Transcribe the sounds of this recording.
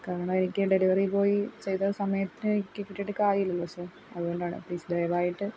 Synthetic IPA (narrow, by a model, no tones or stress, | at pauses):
kaːɾɐɳɐːenikʲːɨɖe̞liʋɐripo̞ːjit͡ɕejt̪ɐsɐmɐjɐt̪ːinɨkʲːɨkːiʈːiʈːɨkaːjiilːɐlːoseː | ɐðɨɣoɳɖaːɳɨ̰pliːsd̪ɐjɐʋaːjiʈːɨ